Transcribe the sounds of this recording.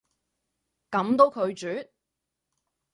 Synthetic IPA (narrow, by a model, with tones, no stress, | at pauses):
kɐ˨˥mt̪o˨˥wkʰɵ˨˧ɥt͡ʃyː˨˥t̚